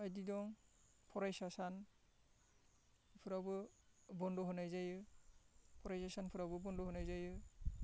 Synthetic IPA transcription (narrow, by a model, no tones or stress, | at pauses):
ajdidɔŋ | pʰɔɾajsasan | pʰɯɾabɯ | bɔndɔɦɯnajzajɯ | pʰɔɾajsasanpʰɯɾawbɯbɔndɔɦɯnajzajɯ